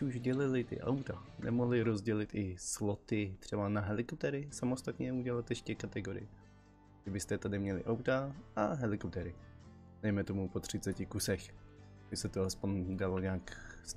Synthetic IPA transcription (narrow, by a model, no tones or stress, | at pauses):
uʒɟɛlɪlɪt̪ɪ̰ʔa̰wt̪anʔɛ̰moɦlɪɾo̞zɟɛlɪt̪ɪz̥lot̪ɪt̪r̥ɛbanaɦɛlɪkop̚t̪ɛɾɪsamo̞st̪at̪ɲɛuɟɛlat̪jɛʃcɛkat̪ɛɡo̞ɾɪ̰j | ʒɛbɪst̪ɛt̪adɪmɲɛlɪ̰ʔawt̪aaɦɛlɪkop̚t̪ɛɾɪ | dɛjmɛt̪o̞mupo̞t̪r̝̥ɪt͡sɛcɪkusɛx | bɪsɛt̪oaspo̞ɲdaloɲaːks